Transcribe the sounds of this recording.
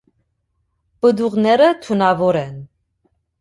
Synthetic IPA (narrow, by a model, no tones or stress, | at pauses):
bəd̪uʁnɛɾət̪ʰunɑvɔɾɛn